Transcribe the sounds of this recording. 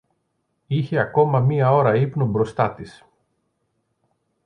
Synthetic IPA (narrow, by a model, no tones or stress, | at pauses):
içe̞ɐko̞mɐmiɐo̞ɾɐipnobɾo̞st̪ɐt̪is